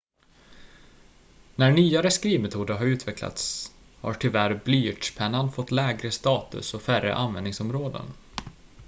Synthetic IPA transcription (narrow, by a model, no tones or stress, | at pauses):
næɳyːaɾəskɾiːvmɛt̪ʰuːd̪əɾɦaɾʉ̟ːt̪ʰvɛkla̰t̪s | ha̰ʈʰɪlvæɾblyːʈʂpʰɛnːanfɔt̪ːlɛːɡɾəst̪ɑːt̪ɵ̰sɔfærə̰ʔanvɛnɪŋsɔmɾoːd̪ə̰n